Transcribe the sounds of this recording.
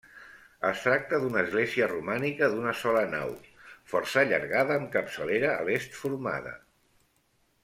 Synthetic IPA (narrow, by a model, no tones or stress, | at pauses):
əst̪ɾak̚t̪əðunəːzɣleziərumanikəðunəsɔləna̰wfɔɾsəʎə̰ɾɣaðəːmkəpsəleɾə̰ːlest̪fuɾma̰ðə̰